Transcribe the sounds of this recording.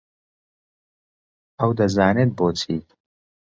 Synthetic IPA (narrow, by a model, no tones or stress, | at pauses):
ɐwd̪ɐzaːneːt̪̚boːt͡sʰiːt̪